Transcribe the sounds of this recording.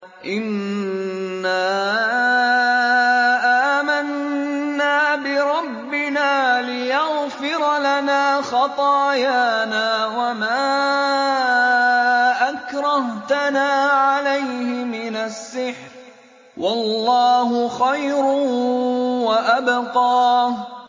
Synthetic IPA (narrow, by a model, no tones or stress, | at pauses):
ʔɪnː | aː | ʔaːmanː | aːbɪɾˤɑbːɪnaːlɪjaɣfɪɾlanaːxɑt̪ˤɑːjaːnaːwamaː | ʔakɾˤɑht̪anaːʕalajhɪmɪnasːɪħɾ | wʔɑlːɑːɦʊxajɾʊ | waʔabqɑːh